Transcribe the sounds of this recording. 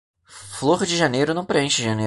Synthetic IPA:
floχd͡ʒɪʒɐnejɾʊnɐ̃w̃pɾeẽʃɪʒɐne

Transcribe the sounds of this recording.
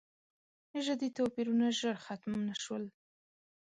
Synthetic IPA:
ʒəd̪it̪opiɾunaʒəɾxat̪mnaʃwəl

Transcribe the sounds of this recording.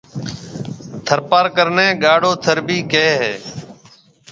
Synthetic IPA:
t̪ʰəɾpaːɾkəɾnẽːɡaːɽoːt̪ʰəɾbiːkeːɦɛː

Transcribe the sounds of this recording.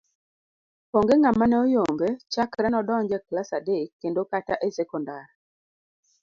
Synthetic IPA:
pɔŋɡeŋamanɛojoŋɡet͡ʃakɾɛnɔdɔɲd͡ʒɛklasadekːendokataʔesɛkɔndar

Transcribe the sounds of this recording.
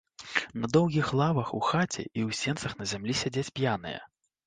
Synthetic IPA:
nɐd̪ɔwɣʲixlˠavɐxuxat͡sʲɛ̰ʔiwsʲɛnt̪sɐxnɐzʲamlʲisʲad͡zʲet͡sʲpʲjanɨ̰jɛ̰

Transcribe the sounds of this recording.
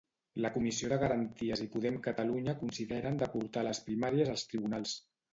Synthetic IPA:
ləkumisioðəɣəɾənt̪iəzipuð̞ɛmkət̪əluɲəkunsiðɛɾənd̪əpuɾt̪aləspɾimaɾiəzəlˠst̪ɾiβunalˠs

